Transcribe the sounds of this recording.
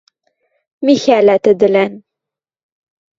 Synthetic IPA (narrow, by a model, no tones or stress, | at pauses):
miçælæt̪əd̪læn